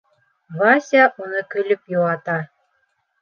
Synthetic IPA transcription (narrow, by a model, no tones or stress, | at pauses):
βɑsʲaʔunɤkɵ̆lɵpjoʁɑt̪ɑ